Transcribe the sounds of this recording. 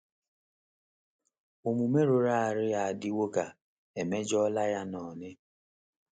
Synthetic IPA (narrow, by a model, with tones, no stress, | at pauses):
o˨mu˨me˦ɾo˨ɾa˦a˨ɾɪ˦a˨a˨dɪ˦wo˦ka˨ | e˨me˦d͡ʒɔ˦la˦ja˦nɔ˨nɪ˦